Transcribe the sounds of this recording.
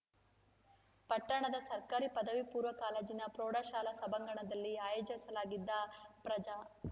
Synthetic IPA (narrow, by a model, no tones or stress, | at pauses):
pɐʈːɐɳɐd̪ɐsɐɾkaːɾipɐd̪ɐʋipuːɾʋɐkaːleːd͡ʒinɐpɾoːɽaːʃaːlɐsɐbɐŋɡɐɳɐd̪ɐlːiaːjoːd͡ʒɐsɐlaːɡid̪ːɐpɾɐd͡ʒaː